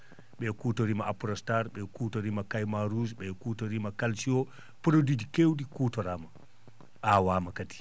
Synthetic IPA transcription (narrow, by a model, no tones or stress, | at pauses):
ɓɛkuːtoɾimaapɾɔstaɾɓɛkuːtoɾimakajmaɾusɓɛkutoɾimakalsiɔ | pɾodid͡ʒikewdikuːtɔɾama | awamakati̥